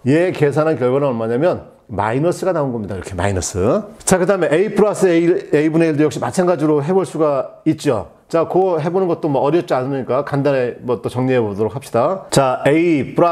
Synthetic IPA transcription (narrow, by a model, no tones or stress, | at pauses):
je̞ke̞s̬ʰanɦankjʌɭɡwanaʌmaɲamjʌn | ma̰inʌs͈ʰɯɡanaonɡʌmɲidaḭɾʌkʰe̞ma̰inʌs͈ʰɯt͡ɕakɯdaɦme̞ʔeipʰɯɾas͈ʰɯeibuneiɭdojʌk̚ɕ͈imat͡ɕʰanɡad͡ʑiɾoɦe̞boɭs͈uɡait̚t͡ɕ͈o | t͡ɕakʌɦe̞bonɯnɡʌt̚t͈omwʌʌɾjʌp̚t͡ɕ͈ianɯɲik͈akandanemʌt͈ot͡ɕʌŋɲiɦebodoɾok̚ʰapɕ͈idat͡ɕaeipʰuɾa